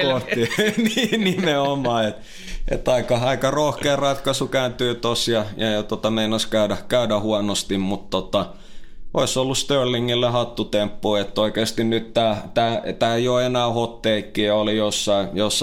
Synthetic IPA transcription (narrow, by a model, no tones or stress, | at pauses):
koht̪ininimeomɑːet̪ | ḛt̪ːɑikɑɑikɑrohkeːrɑt̪kɑsukæːnt̪yːt̪osjɑjɑjɑt̪ot̪ɑmeinoskæydækæydæhuɑnost̪immut̪t̪ot̪ɑ | ʔoˑisolːust̪ørliŋːilːehɑt̪ːut̪empːuiet̪ːoikeːst̪innyt̪t̪æːt̪æːt̪æːjoenæːhot̪ːeikːiolijosːɑijosː